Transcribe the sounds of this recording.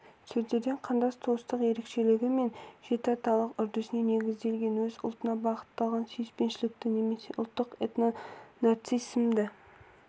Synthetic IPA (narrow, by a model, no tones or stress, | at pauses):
t̪ʰɪɾd̪e̞ɾd̪e̞ɴqʰɑnd̪ɑst̪ʰost̪əqje̞ɾe̞kʃe̞lɪɡʲɪme̞nʒ̥e̞t̪ɪɑt̪ɑlˠəqʏɾd̪ɪsɪne̞ne̞ɡʲɪzd̪e̞lɡʲe̞nwɵzʊ̰lˠt̪ənɑbɑqə̥t̪ːɑlˠʁɑnsyjspe̞nʃɪlɪk̚t̪ɪne̞me̞se̞ʔʊlˠt̪ːəqet̪nonɑrt̪sijsmd̪ɪ